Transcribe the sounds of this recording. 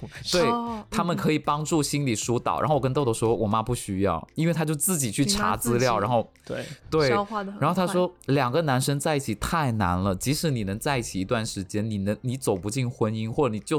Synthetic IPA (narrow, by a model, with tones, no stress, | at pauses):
t̪we˥˩ɪt̪ʰa˥mə˨nkʰɤ˧˥i˨˩pɑ˥ŋʈ͡ʂu˥˩ɕi˥nli˨˩ʂu˧˥t̪ɑ̰˨˩ʊɻa̰˧˥no˥˩ʊwə˥nt̪ʊd̪ə˩ʂ̩˧˥xo˥˩wɔ˨˩ma˥pu˥˩ɕy˥jɑ̰˥˩ʊi˥nwe˥˩ɪt̪ʰa˥jo˥˧ʊt͡sɹ̩˥˩t͡ɕi˨˩t͡ɕʰy˥˩ʈ͡ʂʰa̰˧˥t͡sɹ̩˥ljɑ˥˩ʊɻa˧˥nxo˥˩ʊ˩ | t̪we˥˩ɪ˥a˥˧a˧˥nxo˥˩t̪ʰa˥ʂwɔ˥ljɑ˨˩ŋɡə˦na˧˥nʂə˥ŋt͡sa˥˧ɪi˥˩t͡ɕʰi˨˩t̪ʰa˥˩ɪna˧˥nlə˨t͡ɕi˧˥ʂɻ̩˧˥ni˨˩nɤ˧˥ŋt͡sa˥˧ɪi˥˩t͡ɕʰi˨˩i˧˥t̪wa˥˩nʂɻ̩˧˥t͡ɕjɛ˥nni˨˩nə˧˥ŋni˧˥t͡so˨˩ʊpu˧˥t͡ɕi˥˩nxwə˥ni˥ŋxwɔ˥˩ʈ͡ʂɤ˧˩ni˨˩t͡ɕjo˥˩